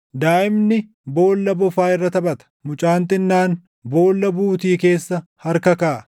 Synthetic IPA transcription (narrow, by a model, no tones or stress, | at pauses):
d̪aːʔɪmnɪ | bo̞ːlːɐbʊfaːɪrːɐt̪ɐbɐt̪ɐ̥mʊt͡ʃʼaːnt̪ɪnːaːn | bo̞ːlːɐbuːt̪iːke̞ːsːɐhɐɾkɐkaː